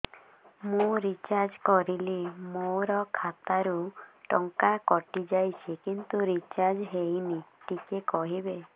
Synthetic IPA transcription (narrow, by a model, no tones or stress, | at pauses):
mũɾit͡ʃaɾd͡ʒkɔɾilemoɾɔkʰat̪aɾuʈɔŋkakɔʈid͡ʒajt͡ʃʰikint̪uɾit͡ʃaɾd͡ʒɦejniʈikekɔɦibe